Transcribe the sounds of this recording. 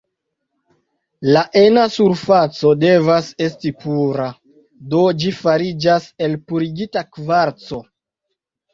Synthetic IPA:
laʔenasuɾfat͡so̞de̞vase̞stipuɾa | do̞d͡ʒifaɾid͡ʒase̞lpuɾiɡitakvaɾt͡so̞

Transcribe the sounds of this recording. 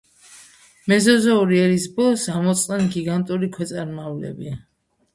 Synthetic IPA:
mɛzɔzauɾiɛɾisbɔlɔsamɔt̪sʼnɛnɡiɡant̪ʼuɾikʰwɛt̪sʼaɾmavlɛ̰bia

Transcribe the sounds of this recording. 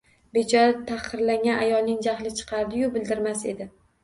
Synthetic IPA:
be̞t͡ʃʰɒɾat̪ʰːaqʰɨɾlaŋʲanʔajɒlˠnɪŋd͡ʒahlɪt͡ʃʰɨ̥qʰɑɾd̪ɪjʊbɪld̪ɪɾmase̞d̪ɪ

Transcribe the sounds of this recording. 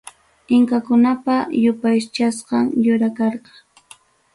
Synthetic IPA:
ɪŋkakʊnapajʊpajt͡ʃasqɑŋjʊɾakɑɾqɑ̥

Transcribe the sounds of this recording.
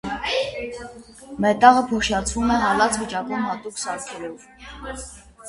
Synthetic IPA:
mɛt̪ɑʁəpʰɔʃjɑt͡sʰvumɛʁɑlɑt͡sʰvit͡ʃɑkɔmhɑt̪uksɑɾkʰɛlɔv

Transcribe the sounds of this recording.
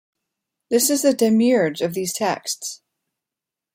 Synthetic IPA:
ðɪsɨzðɨdɨmjəɹd͡ʒʌvðiz̥tʰɛ̰ksts

